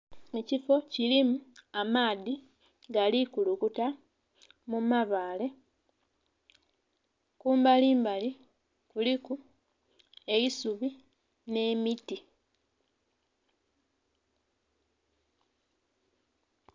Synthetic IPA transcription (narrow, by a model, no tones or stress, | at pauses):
e̞cifo̞cilimuamaːði | ɡalikulukuta | mumaβaːle̞ | kuːmbaliːmbali | kuliku | e̞jisuβi | ne̞ːmiti